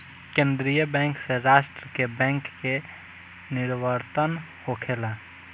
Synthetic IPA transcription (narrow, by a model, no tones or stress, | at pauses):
kẽːnd̪ɾijəbɛ̃ŋkseɾaːʃʈɾəkebɛ̃ŋkːe | nɪɾʋəɾt̪ən | hokʰeːla